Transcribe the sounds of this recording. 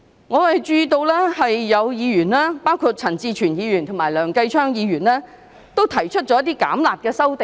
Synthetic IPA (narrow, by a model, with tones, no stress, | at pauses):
ŋɔː˨˧wɐ˨jt͡ʃyː˧t̪o˧wlɛː˥hɐ˨jːɐ˨˧wjiː˨˧jyː˨˩nlaː˥paː˥wkʰu˧t̚t͡sʰɐ˨˩nt͡siː˧t͡ʃʰyː˨˩njiː˨˧ɥy˨˩nt̪ʰo˨˩maː˨˩jlœː˨˩ŋkɐ˧jt͡ʃʰœː˥ŋjiː˨˧ɥyː˨˩nlɛː˥ | t̪o˥wt̪ʰɐ˨˩jt͡ʃʰɵ˥t̚t͡ʃɔː˨˧˥ɐ˥t̪iː˥ka̰ː˨˥mlaː˨t̚kɛː˧sɐ˥wt̪e˨